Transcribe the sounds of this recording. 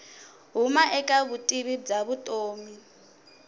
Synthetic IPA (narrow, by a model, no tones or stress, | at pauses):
ɦumaʔɛkʼaβutʼiβib͡ʐaβutʼoːmi